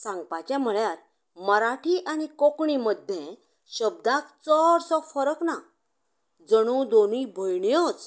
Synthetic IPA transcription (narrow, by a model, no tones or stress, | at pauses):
sãŋɡpat͡ɕam̤əɭjaɾ | məɾaʈʰiʔanikokɳiməd̪ʱːjẽ | ɕəb̚d̪akt͡sɔɾsɔfəɾəkna | d͡zəɽ̃ud̪onibʱəjɳjɔt͡s